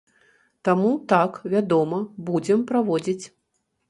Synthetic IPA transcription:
t̪amut̪akvʲad̪ɔmɐbud͡zʲɛmpɾavɔd͡zʲit͡sʲ

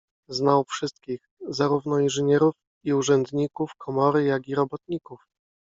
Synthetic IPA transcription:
znawfʂɘst̪kʲix | zaɾuvn̪ɔinʐɘɲɛɾuf | iuʐɛnd̪ɲikufkʰɔmɔɾɘjaɡʲiɾɔbɔt̪ɲikuf

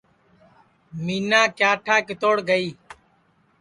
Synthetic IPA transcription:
miːnaːkjaːʈʰaːkɪt̪oːɽɡəiː

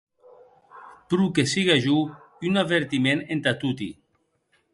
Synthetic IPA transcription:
pɾukesiɣaʒu | unaβeɾt̪imenent̪at̪ut̪ḭ

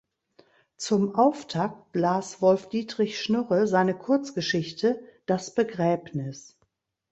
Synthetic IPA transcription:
t͡sʊmʔaʊftʰak̚tlaːsv̥ɔlfd̥iːtʁ̥ɪçʃnʏʁəzaɪnəkʰʊɐt͡sɡ̥əʃɪçtʰəd̥asb̥əɡʁɛːbnɪs

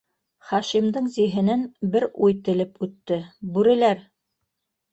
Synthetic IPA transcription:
χɑʃimd̪ɤɴziɦɘ̆nænbɘɾujt̪ɘ̆lɘpʉt̪ːɘbʉɾɘ̆læɾ

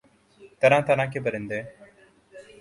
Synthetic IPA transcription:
t̪əɾãːt̪əɾãːkʰeːbəɾẽːnd̪eː

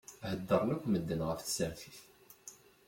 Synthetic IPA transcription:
həd̪ːəɾˤnækʷːməd̪ːənʁəfθsəɾθiθ

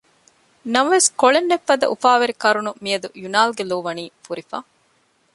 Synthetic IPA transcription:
nɐmɐʋeskoɭenːefːɐd̪ɐ̰ʔufaːʋɐɾikɐɾunumijɐd̪ujunaːlɡeloːʋɐniːfuɾifa̰ː

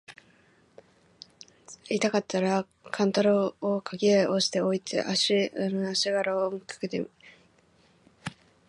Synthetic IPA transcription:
it̪akat̪ːaɾa | kʰãnt̪oɾoːkʰaɡʲiaʔoɕi̥t̪e̞oit̪ḛʔaɕinaɕiɡaɾaomɯkḁket̪ḛm

